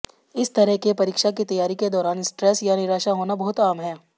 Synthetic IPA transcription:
ɪst̪ɐɾɛɦkepɐɾiːkʃakit̪ɐjaːɾiked̪ɔːɾaːnɪsʈɾɛːsjanɪɾaːʃaɦoːnabɔɦʊt̪aːmɦɛː

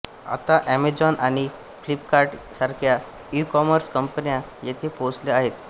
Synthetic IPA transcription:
a̰t̪aʔæmed͡zɔnañi | flipkaɾʈsaɾkʰja | ikɔməɾskəmpənjã | jet̪ʰeposleaɦet̪

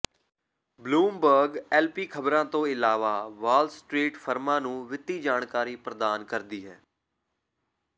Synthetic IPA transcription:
bluːmbəɾɡɛːlpiːkʰəbɾãːt̪õːɪlaːʋaːʋaːlsʈɾiːʈfʰəɾmãːnũːʋɪt̪iːd͡ʒaːɳkaːɾiːpɾəd̪aːnkəɾd̪iːɦɛː

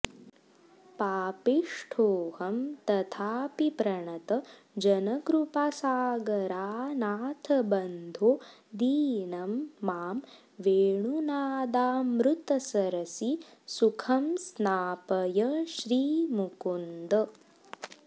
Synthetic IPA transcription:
paːpiʂʈʰoːhɐmt̪ɐt̪ʰaːpipɾɐɳɐt̪ɐ | d͡ʒɐnɐɡɾupasaːɡɐɾaːnaːt̪ʰɐbɐnd̪ʱoːd̪iːnɐmːaːm | ʋeːɳunaːd̪aːmɾut̪ɐsɐɾɐsisukʰɐmsnaːpɐjɐʃɾiːmukund̪ɐ

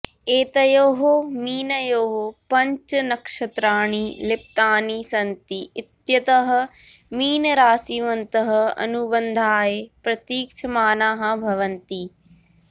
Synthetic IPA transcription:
eːt̪ɐjoːɦomiːnɐjoːɦopɐɲt͡ʃɐnɐkʂɐt̪ɾaːɳ̃iːlɪp̚t̪aːnisɐnt̪iɪt̪jɐt̪ɐɦɐ̆miːnɐɾaːsiʋɐnt̪ɐɦɐ̆ɐ̰nubɐnd̪ʱaːjepɾɐt̪iːk̚t͡ʃʰɐmaːnaːɦɐ̆bʱɐʋɐnt̪i

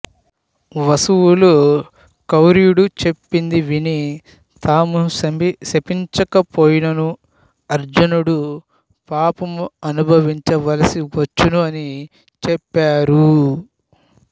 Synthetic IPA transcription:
ʋɐsuwulu | kɐwɾijuɽut͡ʃe̞pːind̪iʋini | t̪aːmusɐmisepiɲt͡ʃɐkɐpoːjinɐnu | ɐɾd͡ʒɐnuɽu | paːpɐmɐnubʱɐʋiɲt͡ʃɐʋɐlɐsiʋɐt͡ʃːunuɐni | t͡ʃɛpːaːɾu

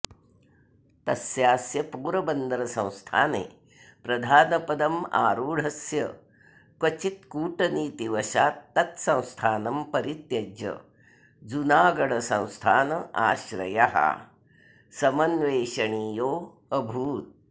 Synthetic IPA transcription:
t̪ɐsjaːsjɐpuːɾɐbɐnd̪ɐɾɐsɐ̃w̃st̪ʰaːnḛː | pɾɐd̪ʱaːnɐpɐd̪ɐma̰ːɾuːɽ̤ɐsjɐ̰ | kʋɐt͡ʃit̪̚kuːʈɐniːt̪iʋɐʃaːt̪ːɐt̪sɐ̃w̃st̪ʰaːnɐmpɐɾit̪jɐd͡ʒɐ̰ | d͡zunaːɡɐɽɐsɐ̰̃w̃st̪ʰaːnɐa̰ːɕɾɐ̰ja̰ɦa̰ | sɐmɐnʋeːʃɐɳiːjoː | ɐbʱuːt̪̚

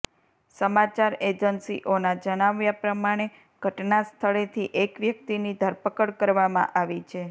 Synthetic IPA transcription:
səmat͡ʃaɾed͡ʒənsḭʔonad͡ʒəɽ̃aʋjapɾəmaɽ̃e | ɡ̥ʱəʈnast̪ʰəɭet̪ʰiʔekʋjək̚t̪inid̪ʱəɾpəkəɽkəɾʋamã̰ʔaʋit͡ʃʰe

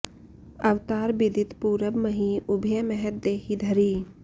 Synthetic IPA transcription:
ɐʋt̪aːɾbɪd̪ɪt̪puːɾəbməɦiːʊbʱjəmɛɦɛt̪̚d̪eːhid̪ʱəɾiː

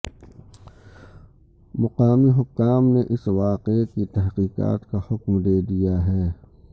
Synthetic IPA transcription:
mʊqaːmiɦʊkːaːmneʔɪsʋaːqekit̪ɛɦqiːqa̰ːt̪kahʊkmd̪eːd̪ijaɦɛː

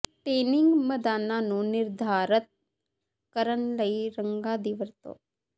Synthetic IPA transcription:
ʈeːnɪ̃ŋɡmɐd̪aːnanũnɪɾd̪ʱaːɾət̪̚ | kəɾənlɐiɾəŋɡad̪iʋəɾt̪o̰ː

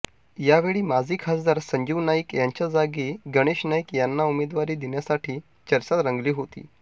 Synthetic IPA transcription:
jaʋeɭiːmad͡zʱiːkʰasd̪aɾsəɲd͡ʑʱiʋnaikjaɲt͡ɕjad͡zaɡiɡəɽ̃eɕnajikjanːaumed̪ʋaɾiːd̪iɳjasaʈʰiː | t͡ɕəɾsat̪ɾəŋɡliːɦot̪ḭː

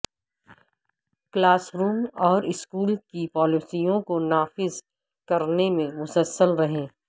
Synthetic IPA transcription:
klaːsɾuːmɔːɾɪskuːlkipɔːlɪsijõkonaːfɪz | kɐɾnemẽmʊsəlsːəlɾɐɦẽː

